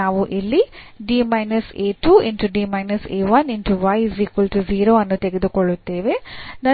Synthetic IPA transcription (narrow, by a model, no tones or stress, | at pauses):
aːʋuʔilːi | ɖiːmɐjnɐseːʈuːenʈuɖiːmɐjnɐseːʋɐninʈuʋɐjziːkulʈuziːɾoːɐnːut̪eɡed̪ukɔɭːut̪ːeːʋe̞nɐ